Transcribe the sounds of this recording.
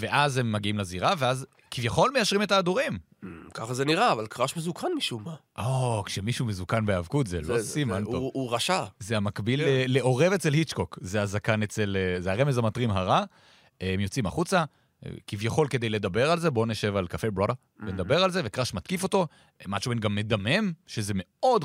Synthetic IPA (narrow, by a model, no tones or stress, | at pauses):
veʔaze̞mːaɡiimlaziʁaveaz | kivjaχo̞lmejaʃʁime̞taːd̪uʁim | kaχazeniʁaːvalkʁaʃmezukʰanmiʃumaʔokʃemiʃumezukanbeavkut̪zelosimannouʁaʃazeamakbileːeʔo̞ʁe̞vet͡selhit͡ʃkokzeazakanet͡se̞lezeaʁemezamatʁimɦaʁa | emjo̞t͡sima̰χut͡sa̰ | kivjaχo̞lke̞d̪e̞jle̞d̪abe̞ʁalzebo̞neʃe̞valkafebʁode | bened̪abe̞ʁalze̞vekʁaʃmat̪kifo̞t̪o̞ | mat͡ʃubenɡamːe̞d̪ame̞mʃeze̞me̞o̞d̪